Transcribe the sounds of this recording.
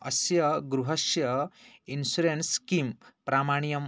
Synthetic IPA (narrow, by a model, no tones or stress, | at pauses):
ɐ̰sjɐɡɾuɦɐsjɐinsuɾenskimpɾaːmaːɳijɐm